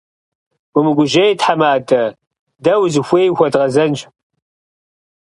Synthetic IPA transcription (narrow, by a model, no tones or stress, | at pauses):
ɡʷʊmɨɡʷʊʒɐjtħamaːdɐ | dɐwzɨxʷeːjxʷɔdʁɐzɐnt͡ʃ